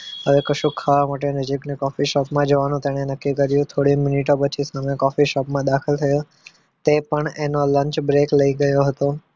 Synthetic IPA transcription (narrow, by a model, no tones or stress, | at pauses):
ɦəʋekəʃukʰːaʋamaʈ̬enəd͡ʒiknekɔfiʃɔpmãd͡ʒəʋanũt̪eɽ̃enəkːikəɾjũt̪ʰoɽimɪniʈ̬opət͡ʃʰisamekɔfiʃɔpmãd̪akʰəlt̪ʰəjo | t̪epəɳenoləɲt͡ʃbɾekləiɡəjoɦət̪o